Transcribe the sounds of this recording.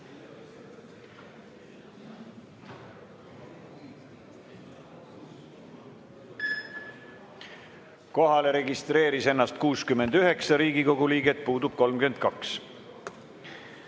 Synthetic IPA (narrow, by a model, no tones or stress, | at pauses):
ko̞ɦɑle̞ɾe̞ɡist̪ɾe̞ːɾise̞nːɑst̪kuːskymend̪̥yɦe̞ksɑɾiːɡiko̞ɡ̥uliːɡet̪̚ˑpuːd̪ub̥̚ko̞lmkymend̪̥̚kɑks